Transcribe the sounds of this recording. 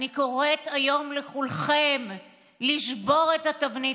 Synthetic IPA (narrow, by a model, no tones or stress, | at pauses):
iko̞ʁetajo̞mleχulχem | liʃbo̞ʁetatavni